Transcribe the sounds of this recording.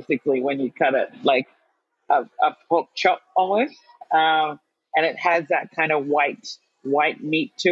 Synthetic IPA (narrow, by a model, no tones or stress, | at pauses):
sɨkliwɨ̃njɨkʰʌɾɨtlaɪk | ʔəəp̚ʰʊk̚t͡ʃʰɑp̚ən̩ˠɪt | ʌ̃m | ɨ̃nɨt̚hɨzðɨt̚kʰãɪ̃ndəwaɪt̚ | waɪt̚mitʰɨ